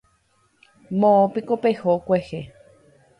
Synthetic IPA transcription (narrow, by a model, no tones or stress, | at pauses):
mõːpikopehokʷehe